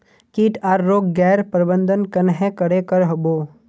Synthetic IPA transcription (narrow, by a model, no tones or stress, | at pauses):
kiːʈʰaːɾːoːɡɡɛːɾpɾəbə̃nd̪ʱənkɐnɦɛ̃kəɽekəɾɦəboː